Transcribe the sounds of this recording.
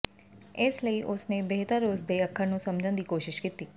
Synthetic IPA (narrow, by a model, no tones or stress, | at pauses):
ɪsləiːʔʊsneːbeɦt̪əɾːoːzd̪eːəkʰːəɾnũːsəmd͡ʒənd̪iːkoːʃɪʃkiːt̪iː